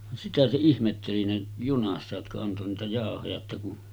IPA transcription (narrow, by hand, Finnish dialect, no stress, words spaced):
sitæ se ihmetːeli ne junɑsːɑ jotkɑ ɑnto niːtæ jɑˑohojɑ etːæ kun